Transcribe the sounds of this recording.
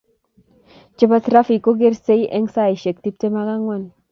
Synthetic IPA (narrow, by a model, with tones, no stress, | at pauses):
t͡ʃə˦ba˦t̪ɾa˦fi˨kːo˦ɡe˦ɾse˦jʔɛ˦ŋsa˦˨jʃe˨kti˦p̚te˦ma˦ɡa˦ŋwa˦˨n